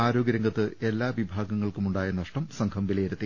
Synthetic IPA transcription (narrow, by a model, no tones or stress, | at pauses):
aːɾo̞ːɡɐɾɐŋɡɐt̪ːɨe̞lːaːʋibʱaːɡɐŋːɐɭkumuɳɖaːjenːɐʂʈɐmsɐŋkʰɐmʋilɐjeɾut̪ːi